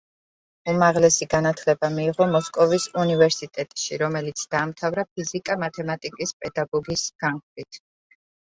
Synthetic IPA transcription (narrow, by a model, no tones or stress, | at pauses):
umaʁlɛsiɡanat̪ʰlɛbamiːʁɔmɔskʼɔvisunivɛɾsit̪ʼɛt̪ʼʃiɾɔmɛlit̪sʰd̪̥aːmt̪ʰavɾap̚ʰizikʼamat̪ʰɛmat̪ʼikʼispʼɛd̪aɡɔɡisɡ̥aŋklit̪ʰ